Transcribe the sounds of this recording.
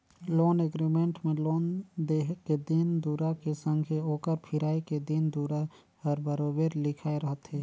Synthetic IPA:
loːneɡɾimẽɳʈmẽloːnd̪eɦked̪ɪnd̪uːɾakesə̃ŋɡʱeoːkəɾpʰɪɾaːiked̪ɪnd̪uːɾa | həɾbəɾoːbeːɾlɪkʰaːeɾəɦət̪ɦeː

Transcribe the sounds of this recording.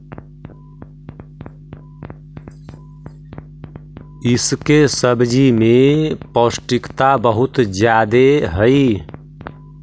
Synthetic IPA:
ɪskesəbd͡ʒimẽpoːsʈɪkt̪abəɦʊt̪d͡ʒjaːd̪eɦəi

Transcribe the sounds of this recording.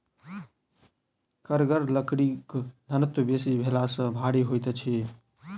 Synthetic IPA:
kəɾɡəɾləkɽikd̪ʱənət̪wəbesibʱelasə̃bʱaɽiɦojt̪t͡ʃʰi

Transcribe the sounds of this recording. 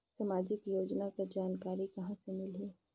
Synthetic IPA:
sɐmaːd͡ʒɪkjoːd͡ʒnakad͡ʒaːnkaːɾikɐɦãsemɪlɦeː

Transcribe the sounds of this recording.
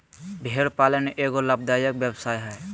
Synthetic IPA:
bʱeɾpaːləneʔeːɡoləb̚d̪aːjəkbjebsaːjɦɛ

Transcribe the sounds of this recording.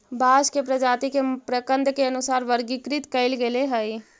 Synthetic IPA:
baːʃkepɾɐd͡ʒaːt̪ikepɾəkə̃nd̪keɐnʊsaːɾʋəɾɡikɾɪt̪kɐɪlɡeleɦəi

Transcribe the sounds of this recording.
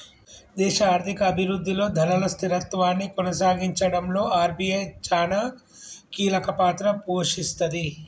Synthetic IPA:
d̪ɛːʃɐaːɾt̪ʰikɐːbʱiɾɾud̪ʱːilo̞ːd̪ʱɐnɐlɐst̪iɾɐt̪ʋaːnːikɔnɐs̬aːɡiɲt͡ʃɐɽɐmlo̞ːaːɾbijɐjt͡ʃaːnɐ | kiːlɐkɐpaːt̪ɾɐpoːʂist̪ɐd̪i

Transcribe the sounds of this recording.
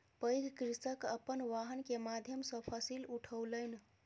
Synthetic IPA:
pəjɡʱkɾisəkəpːənʋaɦənkemad̪ʱjəmsə̃pʰəsiluʈʰəwləɪn

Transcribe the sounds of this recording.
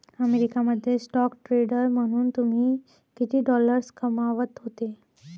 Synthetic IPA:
əmeɾikaməd̪ʱːjesʈɔkʈɾeɖəɾm̤əɽ̃uːnt̪um̤iː | kit̪ʰiːɖɔləɾskəmaʋət̪ɦot̪e

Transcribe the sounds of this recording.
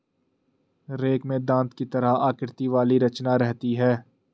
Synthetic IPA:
ɾeːkmẽd̪ãːnt̪kit̪ɐɾaɦaːkɪɾt̪iʋaːliɾɐt͡ʃnaɾɛɦt̪iɦɛː

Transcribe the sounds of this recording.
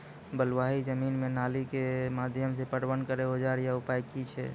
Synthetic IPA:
bəlwaɦid͡ʒəminmenalikemad̪ʱjəmsepəɽbənkəɾeɦod͡ʒaɾjaupajkit͡ʃʰɛ̰

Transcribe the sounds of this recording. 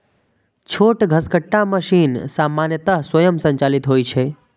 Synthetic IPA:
t͡ʃʰoːʈɡʱəskəʈːaməʃiːnsaːmanjət̪əɦswəjəmsə̃ɲt͡ʃaːlit̪ɦoːjt͡ʃʰe

